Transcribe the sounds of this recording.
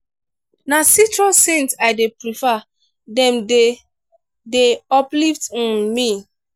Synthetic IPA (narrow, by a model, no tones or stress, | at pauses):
nasitɹɔsẽnsaɪdepɹifa | dɛ̃mde | deɔpliftɔ̃nmi